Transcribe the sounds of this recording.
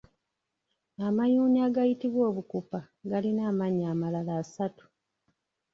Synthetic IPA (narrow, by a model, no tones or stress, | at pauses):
amajuːniaːɡajitiβwo̞ːβukupa | ɡalinaːmaɲaːmalalaːsatu̥